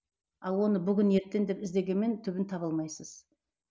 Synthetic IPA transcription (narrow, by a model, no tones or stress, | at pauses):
ɑlˠwo̞nəbʏɡʲɪne̞ɾt̪ːe̞nd̪e̞pɪzd̪e̞ɡʲe̞nme̞nt̪ʰʏbɪnt̪ʰɑβəlˠmɑjsəz̥